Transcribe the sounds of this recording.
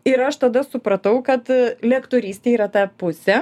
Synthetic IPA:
ɪɾɐʃt̪ɐd̪ɐsʊpɾɐt̪ɐʊkɐt̪lʲɛkt̪oːɾʲiːsʲt̪ʲeːiːɾɐt̪ɑːpʊsʲɛ

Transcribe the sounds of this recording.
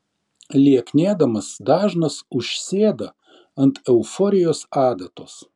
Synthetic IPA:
lʲiɛknʲeːd̪ɐmɐsd̪ɑːʒnɐsʊʃʲsʲeːd̪ɐ | ɐnt̪ɛʊfɔːɾʲɪjoːsɑːd̪ɐt̪oːs

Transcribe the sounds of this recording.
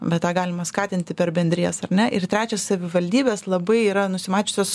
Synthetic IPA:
bʲɛt̪tɑːɡɑːlʲɪmɐskɑːt̪ʲɪnʲt̪ʲɪpʲɛɾbʲɛnʲd̪ʲɾʲiːɛsɐɾʲnʲɛʔɪrt̪ʲɾʲæːt͡ʃʲɛssɐʋʲɪʋɐlʲd̪ʲiːbʲeːslˠɐbɐɪiːɾɐnʊsʲɪmɑːt͡ʃʲʊsʲoːs

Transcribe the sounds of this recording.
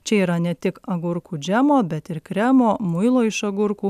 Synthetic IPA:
t͡ʃʲɛiːɾɐnʲɛt̪ʲɪkɐɡʊɾkuːd͡ʒʲæmoːbʲɛt̪ɪɾkɾʲæmoːmʊɪlˠoːɪʃɐɡʊɾkuː

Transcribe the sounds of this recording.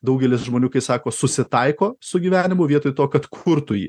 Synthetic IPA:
d̪ɐʊɡʲɛlʲɪsʒmoːnʲuːkɐɪsɑːkoːsʊsʲɪt̪ɐɪkoːsʊɡʲiːʋʲæːnʲɪmʊʋʲiɛt̪oːjt̪oːkɐt̪kʰʊɾt̪ʊjḭː

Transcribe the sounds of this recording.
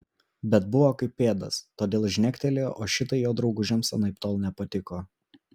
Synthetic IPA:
bʲɛt̪̚bʊʋoːkɐɪpʲːeːd̪ɐ̰st̪oːd̪ʲeːlˠʒʲnʲɛkʲt̪ʲɛlʲeːʔoːʃʲɪt̪ɐɪjoːd̪ɾɒʊɡʊʒʲɛmsʲɛnɐɪpt̪oːlˠnʲɛpɐt̪ʲɪkoː

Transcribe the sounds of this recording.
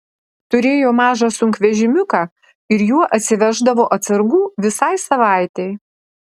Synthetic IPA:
t̪ʊɾʲeːjoːmɑːʒɑsʊŋʲkʋʲɛʒʲɪmʲʊkɑː | ɪɾjuɔʔɐt̪ʲsʲɪʋʲæʒd̪ɐʋoːʔɐt̪sɐɾɡuːʋʲɪsɑɪsɐʋɑˑɪt̪ʲɛɪ

